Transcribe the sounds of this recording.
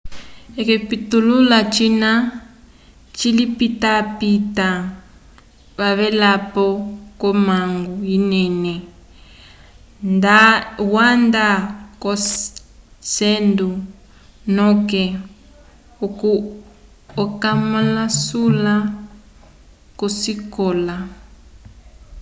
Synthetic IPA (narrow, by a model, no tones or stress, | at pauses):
ɛkɛpitululat͡ʃina | t͡ʃilipitapita | βaβɛlapɔkɔmaŋɡuinɛnɛ | ndawandakɔ | sɛndu | nɔkɛ | ku | ɔkamalasula | kɔsikɔla